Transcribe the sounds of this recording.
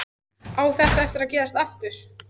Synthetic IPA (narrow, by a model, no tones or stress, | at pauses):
aːwθɛht̪aɛft̪ɪɾaðcɛːðast̪aft̪ʏɾ̥